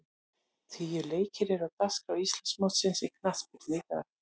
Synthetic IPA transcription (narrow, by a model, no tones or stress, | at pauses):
θijʏleːjcɪɾɛɾaðt̪askawist̪lansmawt̪sɪnsɪkʰnaθpɪɾnɪːk̪a